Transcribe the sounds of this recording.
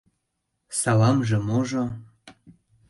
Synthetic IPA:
sɑlɑmʒĕmoʒo

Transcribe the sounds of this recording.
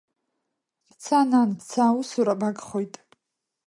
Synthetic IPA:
bt͡sʰananbʰt͡sʰausuɾabakʼχojtʼ

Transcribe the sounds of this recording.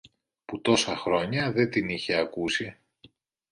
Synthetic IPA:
put̪o̞sɐxɾo̞ɲɐðe̞t̪iniçe̞ɐkusi

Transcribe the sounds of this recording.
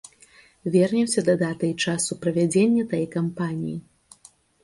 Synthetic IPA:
vʲɛrnʲɛwsʲɐd̪ɐd̪at̪ɐjt͡ʂasupɾɐvʲad͡zʲenʲːɐt̪ajkampanʲḭji

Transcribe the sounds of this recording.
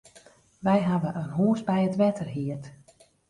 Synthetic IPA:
ʋɛjɦaʋəʔənɦuːəsbɛjətʋɛtʰərɦiət

